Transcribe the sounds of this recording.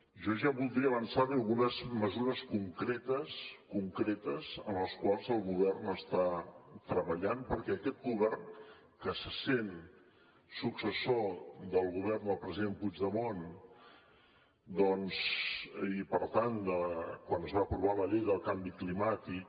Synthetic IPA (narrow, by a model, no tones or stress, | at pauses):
ʒɔʒaβulˠd̪ɾiəβənsaβiəlˠɣunəzməzuɾəskuŋkɾet̪əskuŋkɾɛt̪əzənləskwalˠzəlˠɣuβ̞ɛrnəst̪at̪ɾəβəʎanpəɾkɛəkɛt̪̚ɡuβɛrn | kəsəsen | suksəsod̪əlˠɣuβɛrnd̪əlˠpɾəziðempud͡ʒðəmon | d̪ɔns | ipəɾt̪and̪əkwanəzβaːpɾuβaləʎejðəlˠkambiklimat̪ik